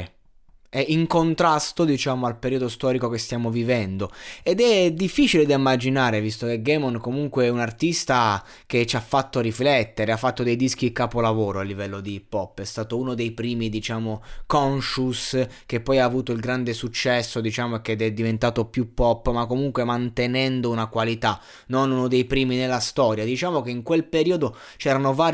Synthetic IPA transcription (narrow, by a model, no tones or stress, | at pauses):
ɛiŋkont̪ɾast̪od̪it͡ʃaːmoalpeɾiod̪ost̪ɔːɾikokest̪jaːmovivɛnd̪oed̪ɛd̪ifːiːt͡ʃiled̪aimːad͡ʒinaːɾevist̪ok̟eɡɛmɔnkomuŋkweɛunart̪ist̪a | k̟et͡ʃafːat̪ːoɾiflɛt̪ːeɾeafːat̪ːod̪ejd̪isk̟ikaːpolavoːɾoalːivɛlːod̪ipɔpːɛst̪aːt̪ounod̪ejpɾiːmid̪it͡ʃaːmokɔnʃusk̟epːɔjaːvuːt̪oilɡɾand̪esut͡ʃːɛsːod̪it͡ʃaːmoek̟ːeɛd̪ɛd̪ːivent̪aːt̪opjupːɔpːmakːomuŋkwemant̪enɛnd̪ounakwalit̪a | nːonunod̪ejpɾiːminelːast̪ɔːɾjad̪it͡ʃaːmokeiŋkwelpeɾiːod̪o | t͡ʃɛːɾanovaːɾ